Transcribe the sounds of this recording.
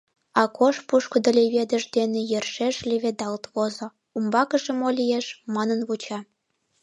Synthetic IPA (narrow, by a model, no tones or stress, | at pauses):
ɑkʰoʃpuʃkŏd̪ə̆lʲeβʲed̪ə̆ʒd̪enʲĕjĕrʃeʃlʲeβʲed̪ɑlt̪βozŏ | umbɑkɤ̆ʒĕmolʲijeʃmɑnə̆nβut͡ɕɑ